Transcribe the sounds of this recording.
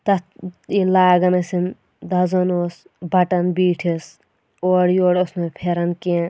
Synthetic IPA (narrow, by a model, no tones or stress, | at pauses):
t̪ɐilaːɡɐnɐsin | d̪ɐzonoːs | bʱɐʈɐnbiːʈʰis | oːɽjoːɽosnoːpʰeɾɐnkeː